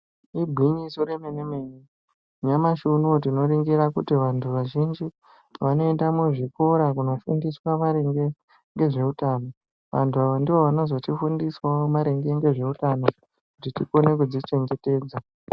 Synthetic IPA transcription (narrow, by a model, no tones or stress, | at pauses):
ibʱwiɲisoɾemenemeɲe | ɲamaʃunotino̞ɾiŋɡiɾakutiʋantʰuʋaʒind͡ʒi | ʋano̞endamuʐiko̞ɾakuno̞fundiswamaɾeŋɡe̞ | ŋɡe̞ʐe̞utaːno̞ | ʋa̰ntʰuaʋandiʋoʋanozotifundiswaomaɾeŋɡe̞ŋɡe̞ʐe̞utano̞ | kutitiko̞ne̞k̬ud͡zit͡ʃe̞ŋɡe̞te̞ːd͡za